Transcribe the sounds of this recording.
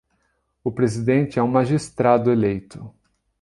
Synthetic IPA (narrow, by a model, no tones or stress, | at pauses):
ʊpɾezid̪ẽnt͡ʃɪɛũmaʒist̪ɾad̪ʊelejt̪ʊ